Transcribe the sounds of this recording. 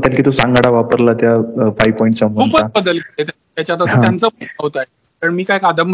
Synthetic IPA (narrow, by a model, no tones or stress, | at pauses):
t̪jankʰiːt̪osãŋɡaɽaʋapəɾlat̪jafajʋpɔĩɳʈt͡ɕamupabəd̪əlket̪at̪jat͡ɕat̪̬əəãjant͡səːaɦot̪a | t̪əɳmiːkajkad̪əmbʱ